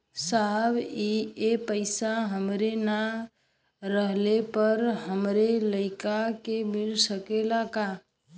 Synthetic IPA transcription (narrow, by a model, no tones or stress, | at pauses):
sabiepəɪsaɦəmɾena | ɾəɦlepəɾɦəmɾeləɪkakemɪlsəkelaka